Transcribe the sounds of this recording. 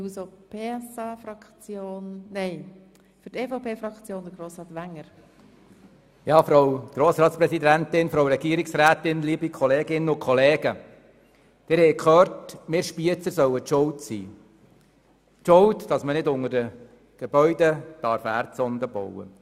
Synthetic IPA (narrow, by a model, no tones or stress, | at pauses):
usopʰeːsɑːfɾɑkt͡sjoːnːɛɪ | fyɾteːfopʰeːfɾɑkt͡sjoːnd̥̪əɾɡɾoːsɾɑːtʋæŋːəɾ | jɑːfɾowɡ̥ɾoːsɾɑːt̪spɾɛsid̪ænt̪ɪnfɾowɾɛɡ̥iːəɾɪksɾæːt̪ɪnliːbikʰɔleːɡɪnəʊkʰχɔleːɡə | d̥ɪɾhɛjkχøːɾtmɪːɾʃpiət͡səɾsœwətʊltsḭː | t͡ʃʊltd̥ɑsmənɪdʊŋəɾdə | ɡ̥ebœʏdəd̥ɑɾfæ̰ːɾtsɔnd̪əbɔ̰wə̰